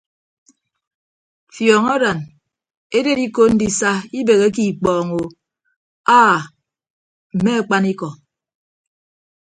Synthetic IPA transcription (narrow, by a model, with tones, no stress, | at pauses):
fjɔː˨ŋɔ˦da˨n | e˦de˦ɾi˦ko˦n̩˦di˦sa˦i˦be˨ɣe˦ki˨k͡pɔː˨ŋo˨ | aː˦˨ | m̩˨me˦a˨k͡pa˦ni˦kɔ˨